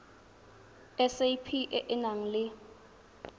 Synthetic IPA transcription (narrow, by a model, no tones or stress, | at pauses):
ɛsejpʰiʔɛʔɛnaŋ̩lɪ